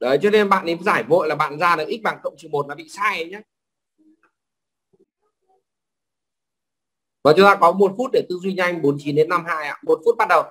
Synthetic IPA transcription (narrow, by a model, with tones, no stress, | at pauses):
ɗə˨˦jt͡ɕɔ˧ne˧nɓa̰ː˧˨nʔə˨˦zaː˧˩jvo̰˧˨jlaː˨˩ɓa̰ː˧˨nzaː˧nɨ˨˩k̚ʔi˦˥ɓaː˨˩ŋkə̰˧˨wŋ͡mt͡ɕi˨˩mo˨˩t̚laː˨˩ɓḭ˧˨saː˧jə˨˦jɲa˦ | vɔ˨˩t͡ɕʊ˨˦ŋ͡mt̪aː˧kɔ˨˦mo˨˩t̚fu˦˥t̚ɗe˧˩t̪ɨ̰˧˨zwi˧ɲa˧jŋ̟ɓo˨˦nt͡ɕi˨˦nɗe˨˦nːa˧mɦa̰ː˧˨jʔa̰ː˧˨mo˨˩t̚fu˦˥t̚ɓa˦˥t̚ɗə˨˩w